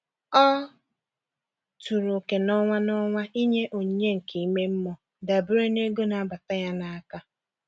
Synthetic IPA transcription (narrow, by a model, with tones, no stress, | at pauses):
ɔ˦ | tu˨ɾo˨ke˨nɔ˦ŋʷa˦nɔ˦ŋʷa˦ʔi˦ɲe˦ʔo˨ɲe˦ŋ̩˨ke˨i˦me˦m̩˦mɔ˨ | da˨bʊ˦ɾe˦ne˦ɡo˦na˨a˦ba˨ta˦ja˦na˨a˦ka˦